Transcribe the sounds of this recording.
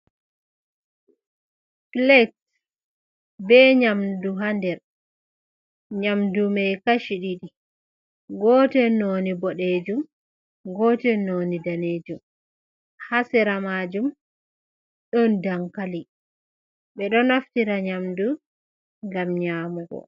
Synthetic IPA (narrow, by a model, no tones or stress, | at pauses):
klɛt | bɛɲamduɦandɛɾ | ɲamdumɛjkaʃiɗiɗi | ɡɔtɛnonibɔɗed͡ʒum | ɡɔtɛnonidaneːd͡ʒum | hasɛɾamad͡ʒum | ɗɔndaŋkali | ɓɛɗɔnaftiɾaɲamdu | ŋɡamɲaːmuɡɔ̰